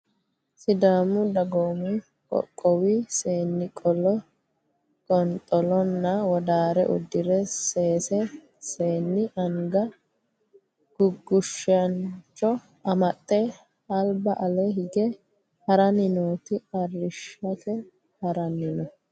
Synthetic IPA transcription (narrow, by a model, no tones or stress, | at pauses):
sɪd̪aːmʊd̪ɐɡoːmɪ | kʼɔ̰kʼːɔwise̞ːnːɪkʼɔlɔ | kʼɔnt̪ʼɔlɔnːɐwɔd̪aːɾɛ̰ʔʊ̰d̪ːɪɾɛseːsɛ | seːnːɪʔɐŋɡɐ | ɡ̥ʊɡːʊʃɐnt͡ʃʼːɔ | ɐmɐt̪ʼːɛ | ɐlbɐʔɐlɛɦɪɡɛ | hɐɾɐnɪnoːt̪ɪɐrːɪʃɐkɛ | hɐɾɐnɪnɔ